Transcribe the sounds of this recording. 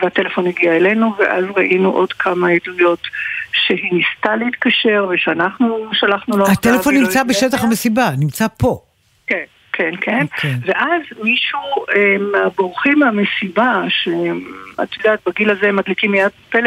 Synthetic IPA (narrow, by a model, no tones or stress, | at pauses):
veat̪elefo̞niɡiaele̞nuveʔa̰zʁaʔinuʔo̞dkʰamaedlujo̞tʃeɦinist̪aleit̪kaʃeʁveʃeanaχnuʃalaχnuloat̪elefo̞nːimt͡sabeʃetaχamesibanimt͡sapo̞ | ken | kʰenkʰeneve̞ʔazmiʃuemaboʁχimamesibaʃea̰t̪jodaːt̪̚baɡilazemad̪likimːejad̚pel